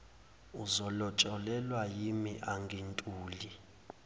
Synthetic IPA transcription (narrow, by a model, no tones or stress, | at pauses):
uzɔlɔt͡ʃʼɔlɛlwajimiʔaŋɡʱentʼuːli